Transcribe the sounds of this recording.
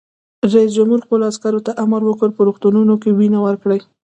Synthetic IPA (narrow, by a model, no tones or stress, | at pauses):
ɾais̬d͡ʒamhuɾxpəloaskaɾot̪aʔamaɾwəkəɾpəɾoxt̪ununokewinawəɾkɽəj